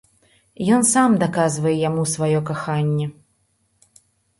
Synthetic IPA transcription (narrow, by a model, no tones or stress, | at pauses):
jɔnsamd̪akazvɐjɛjamusvajɔkaxanʲːɛ